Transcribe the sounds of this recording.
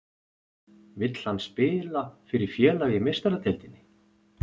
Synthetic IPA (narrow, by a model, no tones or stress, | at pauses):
vɪt̪l̥hanːspɪːlafɪɾɪɾ̥fjɛːlaɣɪmejst̪aɾat̪ʰɛlt̪ɪnːɪ